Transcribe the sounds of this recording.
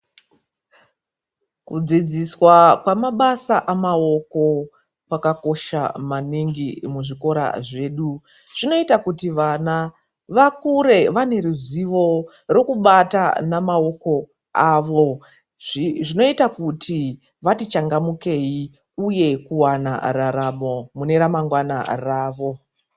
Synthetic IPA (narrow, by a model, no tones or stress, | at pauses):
kud͡zid͡ziswakwamaɓasaʔamao̞ko̞ | pakako̞ʃa̰maniŋɡimuʐiko̞ɾa̰ʐe̞ːɗu | ʐ̥ino̞itakutiʋana | ʋakuɾe̞ʋane̞ɾuziʋo̞ | ro̞kuɓata̰namao̞ko̞ | aːʋoo̞ | ʐiʐino̞itakutʰi | ʋatit͡ʃaŋɡamuke̞i | uje̞kuwana̰raɾamo̞mune̞ɾamaŋɡwana̰raːʋo̞